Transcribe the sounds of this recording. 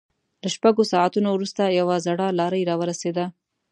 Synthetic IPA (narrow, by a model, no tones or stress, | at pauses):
laʃpaɡosɑat̪unowɾust̪ajawazaɽɑlɑɾəjɾɑwəɾased̪a